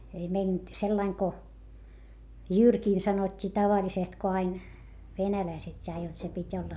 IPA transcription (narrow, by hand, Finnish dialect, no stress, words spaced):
ei mei nyt selːɑiŋ ko jyrkiːn sɑnotʲːiː tɑʋɑlʲisest ko ɑin ʋenælæiset jɑ jot se pitʲ olːɑ